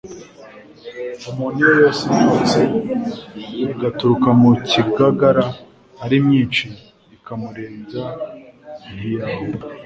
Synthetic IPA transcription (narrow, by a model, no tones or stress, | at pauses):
omonijojoːsiŋɡoːt͡se | iɡatuɾukamuciɡaɡaɾaː | ɾimɲiːnt͡ʃiː | kamuɾeːza | nijaho